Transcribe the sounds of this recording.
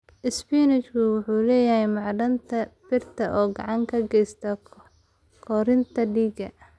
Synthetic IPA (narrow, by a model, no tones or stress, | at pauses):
ʔɪspiːnɪt͡ʃkʰʊwʊħuːlɛːjɐhɛjmɑʕɖɐnt̪ʰɐbɪrt̪ʰɐʔɔːɡɑʕɑŋkʰɐɡɛjst̪ʰɐ | kʰɔɾɪnt̪ʰɐɖiːɡɐ